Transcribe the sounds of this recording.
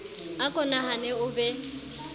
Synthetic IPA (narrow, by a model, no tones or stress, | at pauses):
akʼɔnahanɛʊbɛ